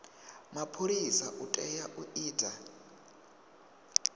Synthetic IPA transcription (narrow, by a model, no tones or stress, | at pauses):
mapʰoɾisaʔutʼɛjaʔuʔiːda